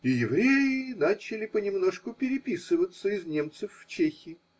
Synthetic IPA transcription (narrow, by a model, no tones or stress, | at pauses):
ɪjɪvɾʲejɪnat͡ɕɪlʲɪpənʲɪmnoʂkʊpʲɪɾʲɪpʲisɨvət̪səɪznʲe̞mt̪sɨfːt͡ɕexʲɪː